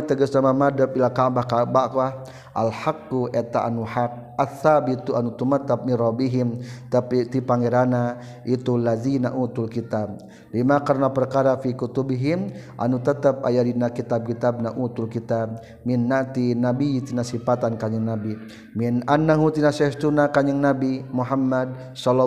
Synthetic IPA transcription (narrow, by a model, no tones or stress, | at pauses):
t̪əɡəsnamamadəp̚ilakaʔbakabaʔka | ʔalħakːuʔɛt̪aʔa̰nuħak̚ʔaθːabit̪uanut̪umat̪ːap̚minrɔbiɦimt̪apit̪ipaŋeɾana | it̪ulazinaʔut̪ulkit̪ab̚ | limakarnapərkaɾafikut̪ubiɦimʔa̰nut̪ət̪əp̚a̰jadinakit̪ab̚kit̪ab̚naʔut̪ulkit̪ab̚ | minːaʔt̪inabit̪inasifat̪ankaɲɪŋnabi | minanːaɦut̪inasɛst̪unakaɲɪŋnabimuɦamːad̪̚ | sɔlɔ